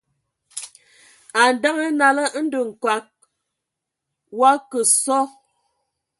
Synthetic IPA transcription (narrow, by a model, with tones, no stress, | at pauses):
a˨n̩˨da˦ŋə˦na˨lə˦n̩˦də˨ŋ̩˨kwa˨˦k̚ | wa˦kə˨sɔ˦